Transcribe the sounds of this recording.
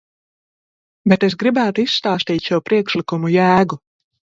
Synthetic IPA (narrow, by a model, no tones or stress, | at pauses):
bet̪esɡɾibæːt̪uisːt̪aːst̪iːt̪ʃuwpɾiɛkʃlikumujæːɡu